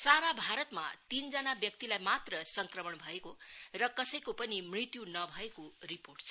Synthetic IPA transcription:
saɾabʱaɾʌt̪ma̰t̪ind͡zʌnabjʌk̚t̪ilajmat̪rʌsʌŋkrʌmʌɳbʱʌekorʌkʌsʌjkopʌnimrit̪junʌbʱʌekoriporʈt͡sʰʌ

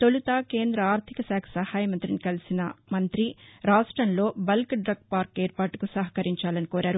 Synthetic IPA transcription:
t̪olut̪aːkeːnd̪ɾɐaːɾt̪ʰikɐsaːkʰɐ̥sɐhaːjɐmɐnt̪ɾinikɐlisinɐmɐnt̪ɾiɾaːʂʈɾɐnlo̞ːbɐlkɖɾɐɡ̚paːɾkeːɾpaːʈukusɐɦɐ̥kɐɾiɲt͡ʃaːlɐnikoːɾaːɾu

